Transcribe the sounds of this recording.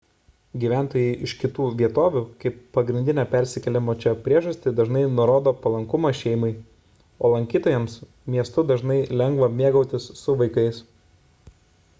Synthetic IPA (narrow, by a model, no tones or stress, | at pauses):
ɡʲiːʋʲæˑnt̪oːjɛɪʔɪʃkʲɪt̪uːʋʲiɛt̪oːʋʲuːkɐɪpːɐɡɾʲɪnd̪ʲɪnʲɛpʲɛɾʲsʲɪkʲɛlʲɪmoːt͡ʃʲɛpʲɾʲiɛʒɐsʲt̪ʲɪd̪ɐʒnɐɪnʊɾoːd̪oːpɐlˠɐŋkʊmɐʃʲɛɪmɐɪ | oːlˠɐŋʲkʲiːt̪oːjɛms | mʲiɛst̪ʊd̪ɐʒnɐɪlʲɛŋɡʋɐmʲiɛɡɐʊt̪ʲɪsːʊʋɐɪkɐɪs